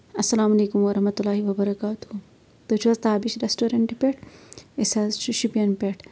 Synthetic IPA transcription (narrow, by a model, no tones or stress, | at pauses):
ɐsːɐlaːmɐleːkumʋɐɾɐɦmɐt̪ulːaːɦiʋɐbɐɾɐkaːt̪u | t̪ot͡ʃʰʋɐzt̪aːbiʃɾesʈoːɾɐɳʈipʲeʈesɐzʃuʃipiɐnpʲeʈ